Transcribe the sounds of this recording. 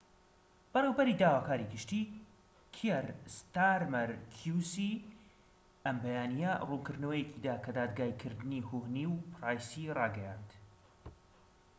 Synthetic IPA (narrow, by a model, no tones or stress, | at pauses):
b̥ɐreːwbɐɾid̪aːwaːkaːɾiɡɨʃt̪iː | kʰeɾst̪aɾmɐɾkʰjusi | ɐmbɐjaːnijɛrunkɨɾd̪nɐwɐjecʰid̪aːkʰɐd̪aːd̪̚ɡaːikʰɨɾd̪ɨnihohniːwpʰɾaːjsirɑːɡɛjand̪̥